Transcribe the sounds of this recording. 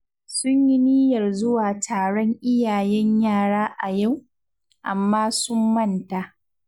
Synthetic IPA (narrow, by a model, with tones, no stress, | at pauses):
sʊ˦ɲji˦niː˦jɐ˨rzʊ˦waː˨tʰaː˨ɽɔ˦ŋʔɪ˦jaː˨jɛ˦ɲjaː˦˨ɽaː˦ʔa˨ja˦˨w | ʔa˨mːaː˦sʊ˦mːɐ˦˨nta˨ʔ